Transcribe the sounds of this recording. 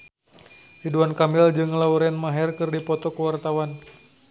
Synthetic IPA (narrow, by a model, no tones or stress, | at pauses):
iduankamɪld͡ʒɨŋlauɾɛnmaɦɛrkɨrdipɔt̪ɔkəwart̪awan